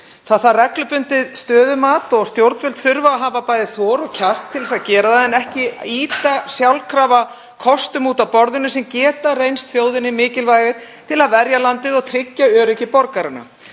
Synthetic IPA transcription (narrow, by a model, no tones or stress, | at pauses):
θaðθarɛklʏpʏnt̪ɪðst̪œːðʏmaːt̪ɔɣst̪jowɾt̪fʏlt̪θʏɾvaaɦaːvapaːjðɪθɔːɾɔɣcʰar̥t̪ʰːɪlsaðcɛːɾaðaðɛnɛhcɪiːt̪asjawlkʰɾaːva | kʰɔst̪ʏmuːt̪awpɔɾðʏnʏsɛmcɛːt̪arejnst̪θjoːwðɪnɪmɪːcɪlvaːjɣɪɾ̥t̪ʰɪlaðvɛɾjalant̪ɪðɔɣt̪ʰɾɪcːaœːɾɪcɪpɔɾkaɾɪna̰